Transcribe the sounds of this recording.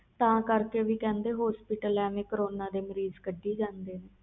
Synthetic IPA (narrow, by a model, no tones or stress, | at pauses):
t̪ãːkəɾkeːʋiːkɛ̃ːnd̪eːɦɔːspiːʈəlɛːʋẽːkəɾoːnaːd̪eːməɾiːzkəɖːiːd͡ʒãːnd̪eːneː